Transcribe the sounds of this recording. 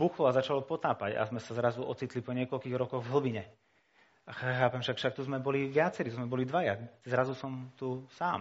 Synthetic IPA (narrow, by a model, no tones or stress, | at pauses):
buxlɔazat͡ʃalɔpɔt̪aːpaɟa̰zmɛsazɾazuɔt͡siːt̪lipɔɲɪɛkɔlkiːɣɾɔkɔɣvɦl̩biɲɛ | axxaːpɛmfʃakfʃak̚t̪uzmɛbɔliʋɪat͡sɛɾit̪uzmɛbɔlid̪ʋajazɾazusɔmt̪usaːm